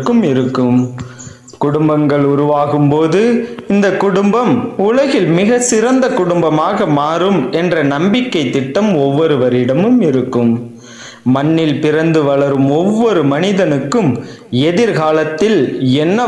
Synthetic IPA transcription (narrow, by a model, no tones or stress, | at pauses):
kːɯmɪɾɯkːɯm | kʊɽʊmbɐŋɡɐɭʊɾʊʋaːɣɯmpoːðɯɪnd̪ɐkːʊɽʊmbɐmʊlɐɣɪlmɪɣɐsɪɾɐnd̪ɐkʊɽʊmbɐmaːɣɐmaːɾɯmɛndrɐnɐmbɪkːɐɪt̪ːɪʈːɐmɔʋːɔɾɯʋɐɾɪɽɐmɯmɪɾɯkːɯmː | ɐnːɪlpɪrɐnd̪ɯʋɐɭɐɾɯmɔʋːɔɾɯmɐnɪðɐnɯkːɯm | ɛðɪɾɣaːlɐt̪ːɪlɛnːɐ